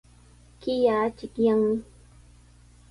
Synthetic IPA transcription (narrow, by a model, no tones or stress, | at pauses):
kɪjaːt͡ʃɪkjaŋmɪ